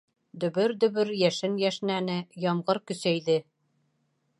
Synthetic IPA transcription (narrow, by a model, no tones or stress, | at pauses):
d̪ɵ̆βɵɾd̪ɵ̆βɵɾjæʃɘnjæʃnænɘjɒmʁɤɾkɵ̆sæjðɘ